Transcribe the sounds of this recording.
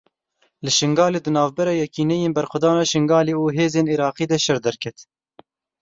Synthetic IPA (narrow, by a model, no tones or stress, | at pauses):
lɨʃɨŋɡɑːleːd̪ɨnɑːvbɛɾɑːjɛkiːnɛjeːnbɛɾxʊd̪ɑːnɑːʃɨŋɡɑːleːuːɦeːzeːniɾɑːqiːd̪ɛʃɛɾd̪ɛɾkʰɛt̪